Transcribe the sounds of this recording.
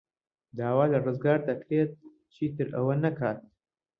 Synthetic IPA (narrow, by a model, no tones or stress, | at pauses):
d̪aːwaːlɐrɨzɡaːɾd̪akʰɾeːt̪̚ | t͡ʃʰiːt̪ɨɾɐ̰wɐnɐkʰaːt̪̚